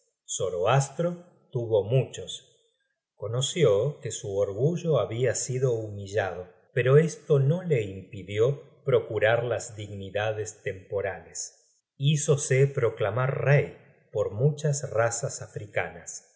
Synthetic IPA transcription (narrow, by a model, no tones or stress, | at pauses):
soɾoast̪ɾo̞ | t̪uβo̞mut͡ʃo̞s | ko̞no̞sjokesuoɾɣuʒo̞aβiasiðo̞umiʒað̞o̞ | peɾo̞est̪o̞no̞le̞impiðjo̞ | pɾo̞kuɾaɾlazd̪iɣniðaðest̪empo̞ɾales | isosepɾo̞klamaɾrej | po̞ɾmut͡ʃasrasasafɾika̰nas